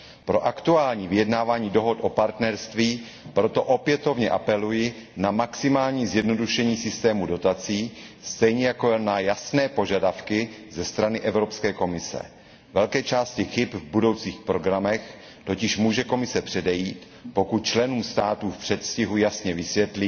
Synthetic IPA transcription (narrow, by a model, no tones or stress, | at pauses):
pɾo̞ʔakt̪uaːlɲiːvɪjɛdnaːvaːɲiːdo̞ɦot̪ʔo̞paɾt̪nɛɾst̪viː | pɾo̞t̪o̞ʔo̞pjɛt̪o̞vɲɛʔapɛlujɪnamaksɪmaːlɲiːzjɛdno̞duʃɛɲiːsɪst̪ɛːmudo̞t̪at͡siːst̪ɛjɲɛjakonajasnɛːpo̞ʒadafkɪzɛst̪ɾanɪʔɛvɾo̞pskɛːko̞mɪsɛ̰ | vɛlkɛːt͡ʃaːscɪxɪpvbudo̞wt͡siːxpɾo̞ɡɾamɛx | t̪o̞cɪʃmuːʒɛko̞mɪsɛpr̥ɛdɛjiːt̪ | po̞kut̪̚t͡ʃlɛnuːmst̪aːt̪uːfpr̥ɛt̪fscɪɦujasɲɛvɪsvjɛt̪lɪ